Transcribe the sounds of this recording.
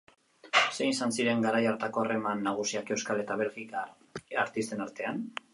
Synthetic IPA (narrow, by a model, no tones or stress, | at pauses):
senisansiɾe̞ŋɡaɾajaɾt̪ako̞are̞manːaɣ̞usiake̞wskale̞t̪aβe̞lɣika | aɾt̪ist̪e̞naɾt̪e̞an